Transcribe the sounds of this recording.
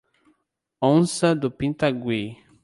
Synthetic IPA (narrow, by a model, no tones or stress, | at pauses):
õnsɐd̪ʊpĩnt̪aɡwi